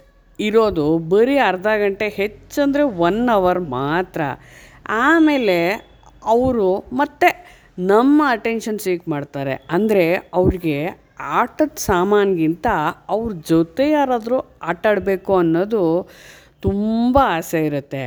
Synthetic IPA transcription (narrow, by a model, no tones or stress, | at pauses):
iɾo̞ːd̪ubɐɾiɐɾd̪aːɡɐɳʈe̞he̞t͡ʃːɐnd̪ɾe̞ʋɐnːɐʋɐɾmaːt̪ɾɐ̰ | aːme̞ːle̞ | ɐʋɾumɐt̪ːe̞ | nɐmːɐːʈenʃɐnsiːkmaːɖt̪aːɾe̞̰ɐnd̪ɐɾe̞ɐʋɾiɡe̞ | aːʈɐt̪ːsaːmaːnɐɡint̪ɐɐʋɾud͡ʒɔt̪e̞jaːɾaːd̪ɾuaːʈːɐɽbe̞ːkuɐnːoːd̪u | t̪umbɐaːseiɾut̪ːe